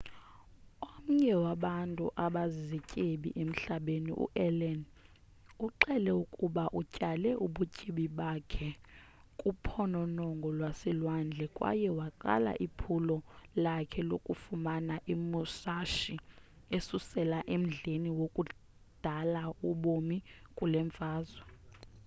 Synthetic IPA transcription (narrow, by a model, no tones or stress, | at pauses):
om̩ɲɛwaɓantʼṵʔaɓazicʼeɓḭʔem̩ɬaɓenḭʔṵʔɛlɛn | uǃɛlɛukʼuɓaʔucʼalɛʔuɓucʼiɓiɓakʰɛ | kʼupʰɔnɔnɔŋɡʱɔlwasilwand͡ɮʱɛkʼwa̰jɛwaǃa̰la̰ʔipʰulɔlakʰɛlokʼufumanaʔimusaʃi | esusɛlaʔem̩ɮeniwokʼu | d̥ʱalauɓomikʼulɛɱvʱaːzwa